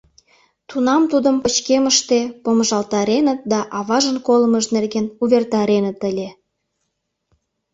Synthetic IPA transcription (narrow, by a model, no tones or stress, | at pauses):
t̪unɑmt̪ud̪əmpət͡ɕkeməʃt̪epoməʒɑlt̪ɑɾenət̪̚d̪ɑʔɑβɑʒənkoləməʒnerɣenuβʲert̪ɑɾenət̪əlʲe